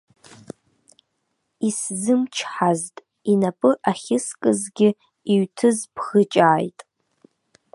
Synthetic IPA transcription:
iszɨmt͡ʃʰħaztʼ | inapʼɨʔaχʲɪskʼɨzɡʲɪ | iɥtʰɨzpʰχət͡ʃʼaːjtʼ

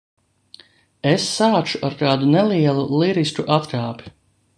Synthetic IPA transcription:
esːaːt͡ʃuʔaɾt̪aːd̪unɛliɛlˠulˠiɾisʲt̪uʔat̪kɾaːpi̥

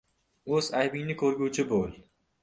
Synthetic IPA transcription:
ɵzajbiŋnɪkʲʰɵɾɡʲuwt͡ʃʰɪbol

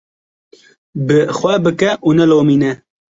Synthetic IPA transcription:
bɨxʷɛbɨkɛʔuːnɛloːmiːnɛ

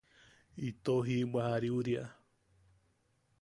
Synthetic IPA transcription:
it̪oɦibahaɾiuɾia

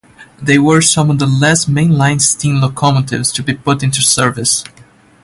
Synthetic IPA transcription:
ðeɪwə˞sʌ̃mʌvðəlɛsmẽɪ̃nlãɪ̃nstĩnlokʰɔmoɾɪ̰vz̥tʰɨbipʊɾɪ̃ntʉsɜ˞vɪs

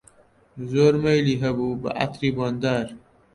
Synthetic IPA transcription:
zoːɾmejliɦɐbubə̰ʔa̰t̪ɾiboːnd̪aːɾ

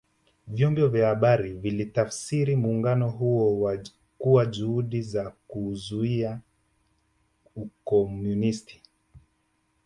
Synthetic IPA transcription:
vjɔŋɡɔvjahaɓaɾivilitafsiɾimuːŋɡanɔɦuɔwa | kuwaʄuhuɗizakuzuia | ukɔmunisti̥

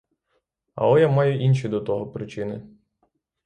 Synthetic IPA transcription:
ɐ̰lˠɛjamɑjʊʔinʃ̬id̪ɔt̪ɔɦɔpɾɪt͡ʃɪnɪ

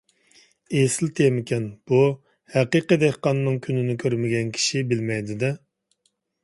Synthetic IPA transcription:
esɪlt̪ʰemɪkʲʰɛnb̥u | hæqiqəd̪ɛhqɑnːɨŋkʲʰynɪnɪkʲʰøɾmɪɡʲɛnkʲʰi̥ʃibɪlmɛjd̪ɪd̪ɛ

